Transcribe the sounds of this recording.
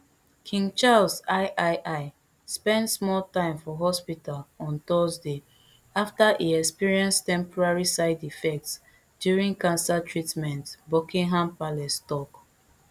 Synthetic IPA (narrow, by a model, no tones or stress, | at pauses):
kʰĩŋt͡ʃalsaɪʔaɪʔaɪ | spɛ̃ndsmɔltãɪ̃mfɔɦɔspitalɔ̃nt̪ɔzde | aftaʔiɛkspiɹiɛ̃nstɛ̃mpɔɹaɹisaɪdifɛk̚ts | d̥juɹĩŋkãnsatʰɹitmɛ̃ntbokĩŋɦãmpalɛstɔk